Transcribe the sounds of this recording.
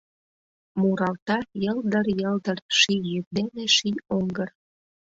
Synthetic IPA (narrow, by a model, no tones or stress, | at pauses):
muɾɑlt̪ɑjəld̪ərjəld̪ərʃijjyk̚d̪eneʃijoŋɡər